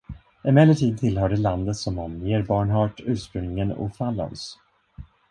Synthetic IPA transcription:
ɛnmɛlːəʈʰiːd̪̚t̪ʰɪlɦœːɖəland̪ət̪sɔmɔmjeːɾbɑːɳɦɑːʈʉ̟ːʂpɾɵŋnɪŋənɔ̰falːɔ̰ns

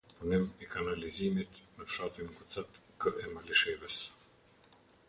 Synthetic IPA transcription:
punimikanalizimit̪mɛfʃat̪inkut͡sat̪kəʔɛmaliʃɛvɛs

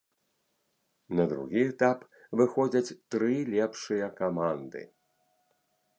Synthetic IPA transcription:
nɐd̪ɾṵɣʲiɛt̪ap | vɨxɔd͡zʲɐt͡sʲt̪ɾɨlʲɛpʂɨjɐkamand̪ɨ̰

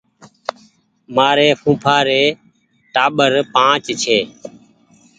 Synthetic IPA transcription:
maːɾeːpʰũːpʰaːɾeː | ʈaːɓəɾpãːt͡ʃt͡ʃʰeː

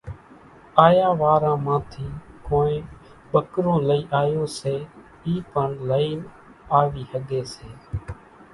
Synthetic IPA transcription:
aːjaːʋaːɾãːmãːt̪ʰiːkoːẽː | ɓəkɾõːləiːʔaːjoːseː | iːpəɳləiːn | aːʋiːhəɠeːseː

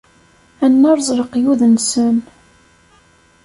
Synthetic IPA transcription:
ænːɑɾˤzˤɾəqjuðənsən

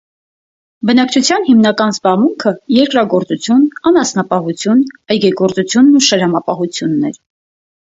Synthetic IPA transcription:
bənɑk̚t͡ʃʰut͡sʰjɑnɦimnɑkɑnzbɑʁmuŋkʰəjɛɾkɾɑɡɔɾt͡sut͡sʰjunɑnɑsnɑpɑɦut͡sʰjunɑjɡɛɡɔɾt͡sut͡sʰjunːuʃəɾɑmɑpɑɦut͡sʰjunːɛ̰ɾ

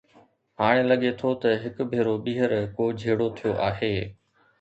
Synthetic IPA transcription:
ɦaːɽ̃elɐɠet̪ʰot̪ɐɦɪkʊ̆bʱeːɾoɓiːɦəɾkoːd͡ʑʱeːɽot̪ʰijoʔaːɦeː

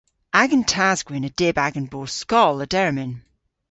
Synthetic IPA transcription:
aɡə̃ntʰazɡwinəd̥ebaɡənboːskɔlˠədɛɹmɪn

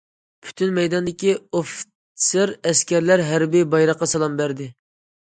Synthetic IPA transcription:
pʰy̥t̪ʰynmɛjd̪ɑnd̪ɪkʲioft | sɨɾɛskʲæɾlæɾɦæɾbibɑjɾɑqːɑsɑlˠɑmbæɾd̪ɪ

